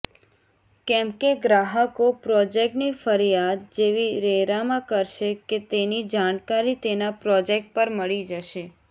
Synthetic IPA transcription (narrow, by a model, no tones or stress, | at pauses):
kɛ̃mkeɡɾaɦəkopɾɔd͡ʒek̚ʈnifəɾijad̪̚d͡ʒeʋiɾeɾamãkəɾʃeket̪enid͡ʒankaɾit̪enapɾɔd͡ʒek̚ʈ̚pəɾməɭid͡ʒəʃe